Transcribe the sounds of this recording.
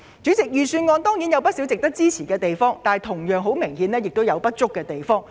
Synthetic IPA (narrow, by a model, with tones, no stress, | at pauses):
t͡sy˨˥t͡sɪ˨k̚jyː˨syː˧nŋɔː˧nt̪ɔː˥ŋjiː˨˥njɐ˨˧wpɐ˥t̚si˨˥wt͡sɪ˨k̚t̪ɐ˥k̚t͡siː˥t͡sʰiː˨˩kɛː˧t̪e˨jfɔː˥ŋt̪aː˨˩jt̪ʰʊ˨˩ŋjœː˨ŋɦo˨˥wmɪ˨˩ŋhiː˨˧nɛː˥jɪ˨k̚t̪o˥wjɐ˨˧wpɐ˥t̚t͡sʊ˥kːɛː˧t̪e˨jfɔː˥ŋ